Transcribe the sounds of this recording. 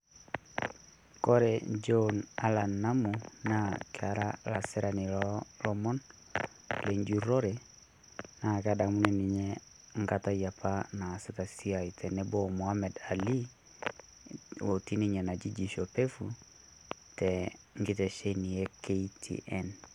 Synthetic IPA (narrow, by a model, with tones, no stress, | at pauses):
kɔɾɛd͡ʒɔna˦la˨nːa˦munakaɾalasɛɾa˨ni˨ɾɔlɔmɔ˦n | le˨ɲd͡ʒu˦ɾɔ˦ɾɛ | na˨kadamu˦nini˨ɲɛ | ŋɡata˦ja˨pʰana˨sɛta˨si˦a˨itʰɛ˨nɛbɔmo˨hamɛ˨da˨li | wo˨ti˦ni˦ɲɛ˨na˨d͡ʒi˦d͡ʒi˨ʃo˨pe˦fu | tɛ | ŋɡi˦tɛ˨ʃeni˨jɛ˦keitʰḭʔɛn